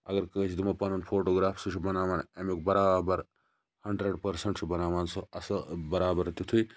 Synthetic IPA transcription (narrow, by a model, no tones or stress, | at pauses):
ɐɡɐɾkə̃ːt͡ʃʰid̪umɐpɐnɐnfʰoːʈoːɡɾaːfsut͡ʃʰubɐnaːʋaːnɐmuk̚bɐɾaːbɐɾ | hɐɳɖɾɐɖpɐɾsɐɳʈt͡ʃʰubɐnaːʋaːnsoɐsɐbɐɾaːbɐɾt̪ut̪ʰuj